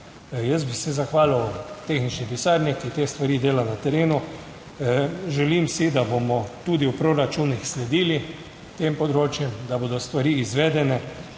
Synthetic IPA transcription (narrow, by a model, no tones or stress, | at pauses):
jəsbisɛzaxʋaːliwt̪exnit͡ʃnipisaɾnɛkit̪eːst̪ʋaɾiːd̪eːlanat̪ɛɾeːnu | ʒɛlimsid̪abomɔt̪uːd̪iuwpɾoɾat͡ʃuːnixslɛd̪iːli | t̪empɔd̪ɾoːt͡ʃjɛmd̪abod̪ɔst̪ʋaɾiizʋɛːd̪ɛnɛ